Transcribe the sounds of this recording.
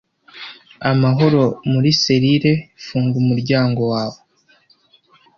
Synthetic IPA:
amaɦo̞ɾo̞muɾise̞ɾiɾe̞fuːŋɡumuɾɟaːŋɡo̞waːwo

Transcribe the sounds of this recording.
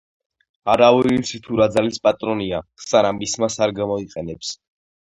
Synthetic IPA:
aɾavɛilit̪sʰit̪ʰuɾad̪zalispʼat̪ʼɾɔniasaɾamismasaɾɡamɔiqʼɛnɛps

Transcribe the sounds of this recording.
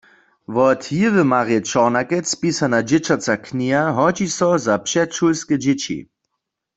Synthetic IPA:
ʋɔt̪jɪvəmaʁjɛt͡ʃɔʁnakɛt͡spisanad͡ʒɪt͡ʃat͡sakʰniaɦɔd͡ʒisɔzapʃɛʃulskɛd͡ʒɪt͡ʃḭ

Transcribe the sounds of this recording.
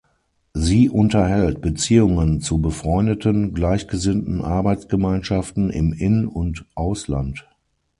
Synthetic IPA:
ziːʔʊntɐhɛltb̥ət͡siːʊŋənt͡subəfʁ̥ɔʏndətənɡlaɪçɡ̥əzɪntn̩ʔaɐbaɪt͡sɡ̥əmaɪnʃaftn̩ɪ̰mʔɪnʊntʔaʊsla̰nt

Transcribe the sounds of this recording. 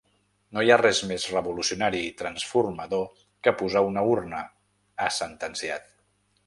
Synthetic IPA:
nojarɛzmezrəβulusiunaɾiːt̪ɾənsfurməðo | kəpuzaunəurnəː | sənt̪ənsiat̪

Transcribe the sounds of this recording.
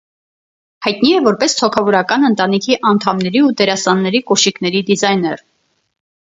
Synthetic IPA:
hɑjt̪̚niɛvɔɾpɛst̪ʰɔkʰɑvɔɾɑkɑnənt̪ɑnikʰiʔɑnt̪ʰɑmnɛɾiut̪ɛɾɑsɑnːɛɾikɔʃiknɛɾid̪izɑjnɛr

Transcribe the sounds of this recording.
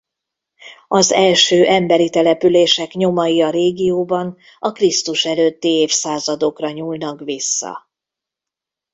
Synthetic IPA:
ɒzɛlʃøːʔɛmbɛɾit̪ɛlɛpyleːʃɛkɲo̞mɒjiɒɾeːɡijoːbɒn | ɒkrist̪uʃɛløːt̪ːieːfsaːzɒd̪o̞krɒɲuːlnɒkʋisːɒ̰

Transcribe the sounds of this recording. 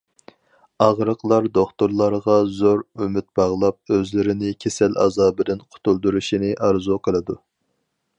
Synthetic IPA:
ɑʁɾəqlˠɑɾd̪oχt̪uɾlˠɑɾʁɑzoɾymɪt̪̚bɑʁlˠɑp̚øzlɪɾɪnɪkʲʰesɛlɑ̰zɑːbɪd̪ɪnqʰʊ̥t̪ʰulˠd̪uɾuʃinɪʔɑɾzuqʰəlˠɨd̪u

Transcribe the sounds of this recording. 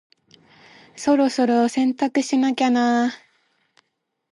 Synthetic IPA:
so̞ɾo̞so̞ɾo̞sẽ̞nt̪akɯ̟ɕinakʲana

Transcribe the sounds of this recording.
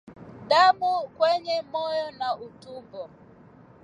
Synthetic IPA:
damʊkʷweɲemɔjɔnautubɔ

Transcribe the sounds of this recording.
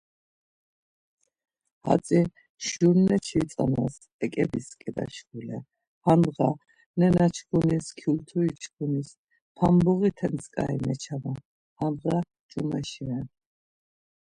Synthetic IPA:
ha̰sʼi | ʃuɾnːɛt͡ʃʰit͡s̪ʼanas | ɛkʼɛbiskʼid̪a̰ʃɡulɛ | hanʁa | nɛnat͡ʃʰkʰuniskʰjult̪ʰuit͡ʃʰkʰunis | pʰambɔɣit̪ʰɛnskʼa̰inɛt͡ʃʰama | hanʁa | t͡ʃʼumɛʃiɛn

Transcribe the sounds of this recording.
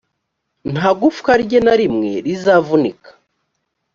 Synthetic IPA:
n̥haɡufkaɾɟenaɾimŋe̞̰ɾizavunikḁ

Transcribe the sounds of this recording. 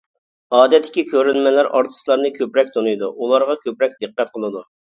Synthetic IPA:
ɑːd̪ɛt̪ʰːɪ̥kʲikʲʰøɾynmɛlæɾʔɑ̰ɾt̪ʰɨ̥slˠɑɾnɨkʲʰøpɾɛk̚ʲt̪ʰonujd̪uulˠɑɾʁɑkʲʰøpɾɛk̚ʲd̪ɨqːæt̪̚qʰəlˠɨd̪u

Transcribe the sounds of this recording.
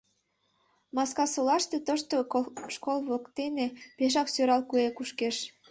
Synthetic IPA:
mɑskɑsolɑʃt̪et̪əʃt̪oʃkolβokt̪enepeʃ̬ɑksøɾɑlkuekuʃkeʃ

